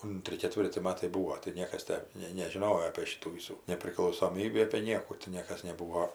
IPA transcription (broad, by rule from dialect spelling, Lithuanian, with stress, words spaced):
ˈʊnʲtʲrʲɪ kʲɛˈtʲʋʲɪrʲtʲɪ ˈmɑːtɐɪ ˈbʊʋoː tɐɪ ˈnʲiɛkɐs ˈtʲæː nʲɛɪ nʲɛʒʲɪˈnoːjoː ɐpʲiɛ ˈʃʲiːtuː ˈʋʲiːsuː nʲɛpʲrʲɪklˠɐʊsoːˈmʲiːbʲiː ɐpʲeː ˈnʲiɛkuː tʲɪ ˈnʲiɛkɐs nʲɛˈbuːʋoː